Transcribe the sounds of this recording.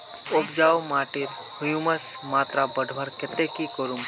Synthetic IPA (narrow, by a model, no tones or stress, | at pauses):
okd͡ʒaːwmaːʈɪɾ | hʊjuməs | maːt̪ɾabɐɖʱbəɾkɪt̪ekikoɾũŋ